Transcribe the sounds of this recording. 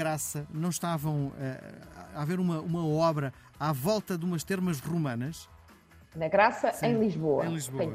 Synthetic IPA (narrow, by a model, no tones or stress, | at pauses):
ɾasɐnɐ̃w̃ʃt̪avɐ̃w̃ɛ̰aveɾumɐumɐɔβɾɐ | avɔlˠt̪ɐðumɐʃt̪eɾmɐʒʁumɐnɐʃ | nɐɣɾasɐẽj̃lˠiʒβoɐ̰̃j̃lˠiʒβoɐ̃